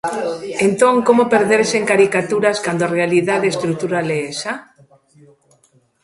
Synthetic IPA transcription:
ent̪oŋkomopeɾðeɾseŋkaɾikat̪uɾaskand̪ʊarealiðaðeest̪ɾuk̚t̪uɾalɛesa

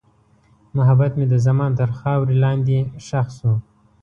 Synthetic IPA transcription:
mʊɦabat̪med̪əzamɑːnt̪əɾxɑːwɾilɑːnd̪iʃaxsu

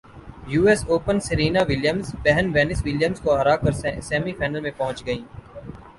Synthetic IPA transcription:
juːɛsoːpənsɪɾiːnaʋɪljəmzbɛɦənʋɛːnɪsʋɪljəmzkoɐɾaːkəɾssɛːmifʰaːnəlmẽpɐɦʊ̃t͡ʃɡəĩː

